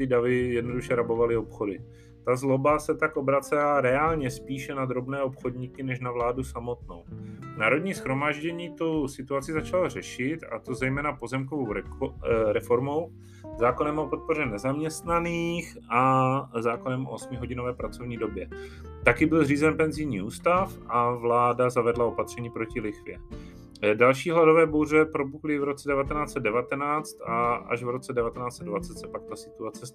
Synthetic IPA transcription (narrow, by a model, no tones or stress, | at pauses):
t̪ɪdavɪjɛdno̞duʃɛɾabo̞valɪo̞pxo̞dɪ | t̪azlo̞basɛt̪akobɾat͡sɛlaɾɛaːlɲɛspiːʃɛnad̪ɾo̞bnɛːopxo̞dɲikɪnɛʃnavlaːdusamo̞t̪no̞̰wnaːɾodɲiːsxɾo̞maːʒɟɛɲiːt̪owsɪt̪uat͡sɪzat͡ʃalor̝ɛʃɪt̪a̰t̪o̞zɛjmɛːnapo̞zɛmk̬ovowɾɛɾɛfo̞ɾmow | zaːko̞nɛmopo̞t̪̚po̞rɛnɛzamɲɛst̪naniːxʔazaːkonɛmʔo̰osmɪɦo̞ɟɪno̞vɛːpɾat͡so̞vɲiːdo̞bjɛ | t̪akɪbɪlriːzɛnpɛnzɪjɲiːʔuːst̪afʔavlaːdazavɛdlao̞pat̪r̝̥ɛɲiːpɾo̞cɪlɪxvɪɛ | dalʃiːɦlado̞vɛːbo̞wr̝ɛpɾo̞buklɪvɾo̞t͡sɛdɛvat̪ɛnaːt͡sɛd̪dɛvat̪ɛnaːt͡st̪aʔa̰ʒvɾo̞t͡sɛdɛvat̪ɛnaːt͡sɛdvat͡sɛt̪sɛpak̚t̪asɪt̪uat͡sɛ